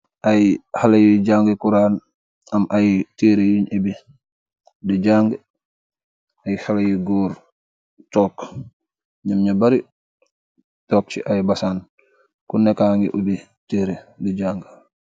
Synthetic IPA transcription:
ʔajhalajiɟaːŋɡəkuɾaːn | ɐmʔajteːɾejuɲebi | diɟaŋɡ | ajhalajiɡɔːɾ | tɔːk | ɲamɲabaɾi | tɔːk̚t͡ʃiʔajbɐsaːn | kunɛkaːŋɡḭʔubi | teːɾediɟaːŋɡ

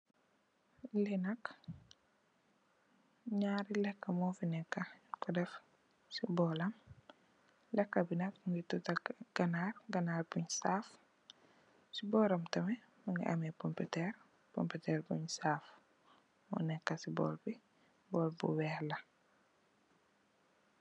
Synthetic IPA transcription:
lɛnɐk | ɲaːɾilɛkːɐmɔːfinɛkːɐkɔdɛf | sibɔlɐm | lɛkːɐbinɐkŋitutɐɡ̥ɐnaːrɡɐnaːrbuɲsaf | sibɔːɾɐmtɐmɛ | mɐŋɡḭʔɐ̰mɛpɔmputɛɾ | pɔ̰mpitɛːrbuɲsaːf | mɔ̰nɛkːɐsibɔ̰ːlbi | bɔːlbṵwɛhlɐ

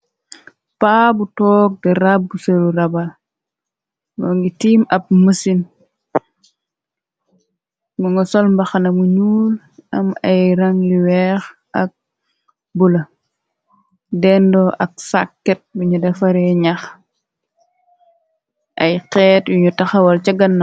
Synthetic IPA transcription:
paːbutɔːk̚diɾabːusoluɾɐbɐl | ɡɔŋɡitiːmɐp̚məsin | ŋɡuŋɡɔsɔlmbɐxanɐmuɲuːl | ʔɐmɐjɾɐŋliwɛx | ʔɐk̚ | bulɐ | dɛndɔʔɐk̚sa̰kːɛt̚buɲudɐfɐɾɛɲɐx | ʔɐ̰jqɛːtjuɲutɐxɐwɐlt͡ʃɐɡɐnːɐ

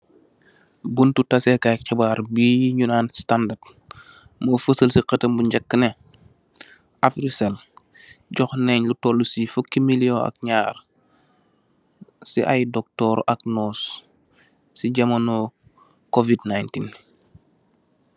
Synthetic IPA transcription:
buntutasekakɛbaːɾbiːjiɲunaːnstandad̚ | mofəsəlsiqətəmbuɲɟakːəne | afɾisel | ɟɔxneɲlutolːusifukːimilioa̰k̚ɲaːɾ | siʔajdɔk̚tɔɾʔaknɔs | siɟɐmɐno | kovidnajntin

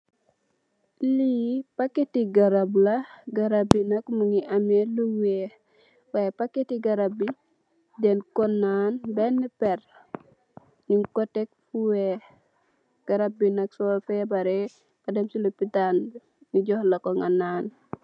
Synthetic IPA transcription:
liːpakːetiɡaɾablɐɡɐɾabinɐkmuŋiʔameluwɛ | wajɛpakːetiɡɐɾabi | dɛnkɔnːaːnbɛnːipɛr | ɲuŋkɔtek̚fuwe | ɡ̥ɐɾabinɐksɔlfɛbaɾɛ | kɐdɛmsilopitan | ŋiɟɔhlɐkɔŋanaːn

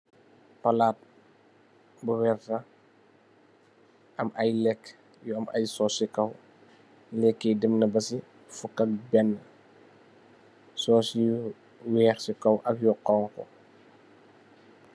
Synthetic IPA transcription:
pɐlaːt̚ | buwɛrtɐ | ɐmʔɐjlɛkː | jɔɐmɐ̰jsɔsikɐw | lɛkːɛdɛmnɐbɐsi | fukːɐk̚bɛnː | sɔːsij | wɛːrsikɐwʔɐpjɔqɔŋkɔ̰

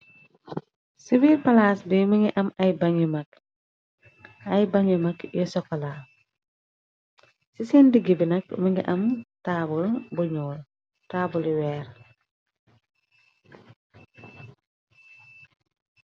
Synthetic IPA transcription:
siwiːɾpɐlaːsdimɐŋɡiʔɐmɐjbɐŋimɐk | ɐjbɐŋimɐkjɔsɔkːɔla | sisɛndiɡibinɐkmɐŋɡiʔɐmtaːbulbuɲɔːl | taːbuliwɛːr

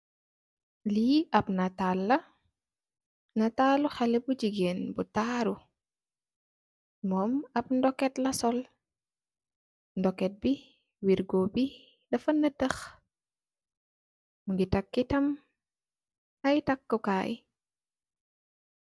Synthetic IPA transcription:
liɐp̚nɐtalːɐ | nɐtaluxalɛbuɟiɡenbutaːɾu | mɔːmɐp̚ndɔkːɛtlɐsɔl | ndɔkɛt̚bi | wiɾɡɔbi | dɐfɐnːətəx | muŋɡitakːitɐm | ɐjtakːukaːj

